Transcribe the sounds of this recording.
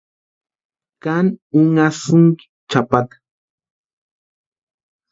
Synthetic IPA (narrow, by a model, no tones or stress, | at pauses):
kanʊŋasʊŋkɪ̥ | t͡ʃapat̪ḁ